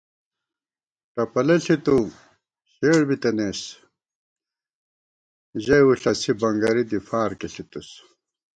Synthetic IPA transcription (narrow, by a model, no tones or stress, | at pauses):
ʈɐpɐlɐɬit̪u | ɕeːɽbit̪ɐneːs | ʑɐjuɬɐsibɐŋɡɐɾid̪ifaːɾkeɬit̪us